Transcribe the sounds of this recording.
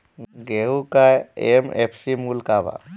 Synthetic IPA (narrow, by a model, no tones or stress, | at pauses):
ɡeukaemepʰsimulkaba̰